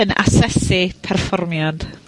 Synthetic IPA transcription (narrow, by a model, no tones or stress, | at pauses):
əna̰sɛsɪpʰɛrfɔrmjad̥